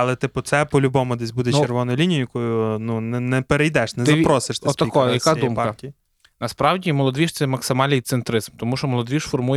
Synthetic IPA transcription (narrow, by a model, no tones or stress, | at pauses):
ɐlˠɛt̪ɪpʊt̪sɛpɔlʲʊbɔmʊd̪ɛsʲbud̪ɛt͡ʃerʋɔnɔjʊlʲinʲijʊjɐkɔjʊnunɛnɛpeɾejd̪ɛʃnɛzɐpɾɔsɪʃt̪ɪt̪ɐkɔjɐkaj̪iumpɑɐtʲi | nɐspɾɑwdʲimɔlˠɔd̪ʋʲiʃt̪sɛmɐksɪmɑlʲnɪjt̪sɪnt̪ɾɪzmt̪ɔmuʃɔmɔlˠɔd̪ʋʲiʃfɔrmuj